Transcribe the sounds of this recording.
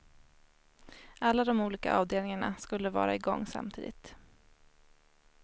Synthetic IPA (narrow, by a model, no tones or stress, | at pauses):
alːad̪ɔmuːliːka̰ʔɑːvd̪eːlnɪŋaɳa̰skɵlːəvɑ̰ːɾaɪɡɔŋːsa̰mt̪ʰḭːd̪ɪt̪